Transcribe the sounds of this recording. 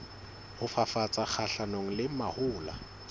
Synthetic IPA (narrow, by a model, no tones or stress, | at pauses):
hʊfafat͡sʼak͡xʰaɬanoŋ̩lɪmahʊːla̰